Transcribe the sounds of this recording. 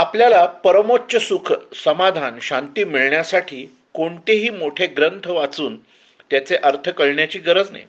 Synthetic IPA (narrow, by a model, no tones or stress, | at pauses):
apljalapəɾəmot̪̚t͡ɕəsukʰsəmad̪ʱanɕãnt̪iːmiɭɳjasaʈʰiː | koɳt̪eɦiːmoʈʰeɡɾənt̪ʰəʋat͡suːn | t̪jat͡seʔəɾt̪ʰəkəɭɳjat͡ɕiːɡəɾəd͡zna̰j